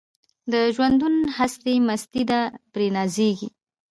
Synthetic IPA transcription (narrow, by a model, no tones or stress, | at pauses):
d̪əʒwand̪unhast̪emast̪id̪apɾenɑzeɡḭ